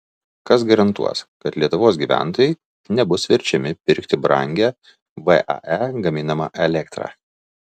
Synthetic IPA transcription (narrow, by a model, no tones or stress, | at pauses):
kɐsɡɐɾɐnt̪ṵɔskɐt̪lʲiɛt̪ʊʋoːs̬ɡʲiːʋʲæ̰ˑnt̪oːjɛɪ | nʲɛbʊsʋʲɪɾʲt͡ʃʲɛmʲɪpʲɪɾʲkt̪ʲɪbɾɐ̰ŋʲɡʲæː | ʋɛʔɐ̰ʔɛɡɐmʲɪnɐmɑːʔɛlʲɛkt̪ɾɑ̰ː